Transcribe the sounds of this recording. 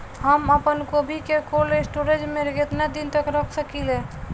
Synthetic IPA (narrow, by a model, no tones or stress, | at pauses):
ɦəməpənkobʱikekolesʈoɾed͡ʒmẽɾəɡet̪nad̪int̪əkɾəkʰsəkile